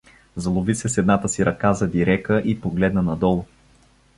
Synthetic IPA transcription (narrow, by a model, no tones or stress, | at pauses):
zɐlˠʊvisɛsɛd̪nat̪əsiɾʔɐkazɐd̪iɾɛkəʔipoɡlɛd̪nənɐd̪ɔlˠʊ